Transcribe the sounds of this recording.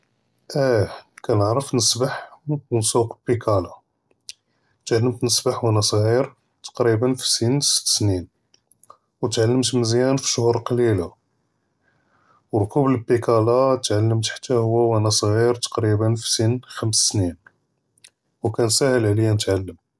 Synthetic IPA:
ʔækænəʕɾˤəfnəsbaħnsuqbikʰɑla | t̪ʕalːəmt̪nəsbaħwænæsˤɣiɾ | t̪ɑ̥qɾibənfi̥sinsə̥t̪ːsnin | wt̪ʕalːəmt̪məzjænfi̥ʃʊhuɾˤqɑlila | wɾˤkubləbːikɑlat̪ʕalːəmt̪ħḁt̪ːæhʊwːæwænæsˤɣiɾt̪ɑ̥qɾibənfi̥sinxæmssnin | wkænsæhəlʕlijænət̪ʕalːəm

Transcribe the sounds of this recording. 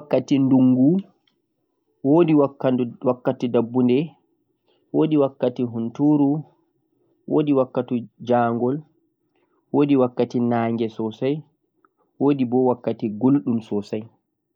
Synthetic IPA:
wakːatinduŋɡu | wodiwwakːatidabːundɛ | woːdiwakːatiɦuntuɾu | wʔoːdiwakːatud͡ʒaːŋɡɔl | woːdiwakːatinaːŋɡɛsɔsaj | woːdibɔwakːatiɡolɗumsɔsaj

